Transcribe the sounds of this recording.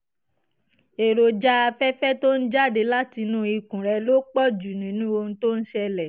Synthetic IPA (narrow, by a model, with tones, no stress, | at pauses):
e˨ɾo˨d͡ʒa˦a˧fɛ˦fɛ˦to˦n̩˦d͡ʒa˦˨de˧la˦ti˧nũ˦i˧kũ˨ɾɛ˧lo˦k͡pɔ˦˨d͡ʒu˨nĩ˨nũ˦o˧ñ̩˦to˦n̩˦ʃɛ˧lɛ˨